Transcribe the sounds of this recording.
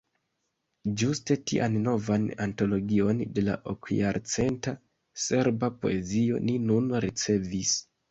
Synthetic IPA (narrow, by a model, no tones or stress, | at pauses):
d͡ʒuste̞tḭʔanno̞vananto̞lo̞ɡio̞nde̞la̰ʔo̰kjaɾt͡se̞nta | se̞ɾbapo̞̰e̞zio̞̰ninunɾit͡se̞vis